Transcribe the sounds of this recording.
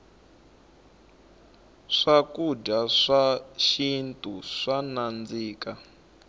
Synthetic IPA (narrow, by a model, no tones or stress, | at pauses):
ʂakuɟaʂaʃintʼuʂanand͡ziːka